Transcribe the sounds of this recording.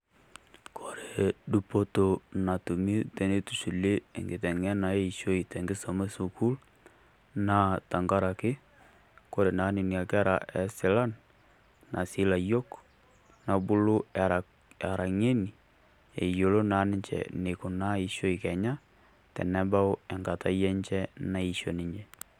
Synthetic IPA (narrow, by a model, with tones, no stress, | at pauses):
kʰo˨ɾe˨du˦po˦to˨na˨tu˨mi˦tɛ˨ne˦tu˨su˨lḛ˦˨ŋɡɪ˨tɛ˨ŋɛ˦na˨e˦i˨ʃo˦i˨tɛ˨ŋɡɪ˦so˨mɛ˦su˨ku˦l | na˦ta˨ŋɡa˦ɾa˨kɪ˦ | ko˦ɾe˨na˨˦nɪ˨ni˨a˨kɛ˦ɾa̰˨ʔɛ˨sɪ˦la˦n | nʔa˨si˦la˨jo˦k | na˨bʊ˦lʊ˦ɛ˨ɾa˨ | a˨ɾa˨ŋe˦ni˨ | ḛ˨jo˨lo˦na˨˦nɪ˦ɲt͡ʃɛ̰˨ne˨kʊ˨na˦i˦ʃo˦i˨kɛ˨ɲa˦ | tɛ̰˨nɛ˦ba˦ʊ˦ɛ˨ŋɡa˨ta˦jɛ˦ɲt͡ʃɛ˦na˦i˦ʃo˨nɪ˨ɲd͡ʒɛ˨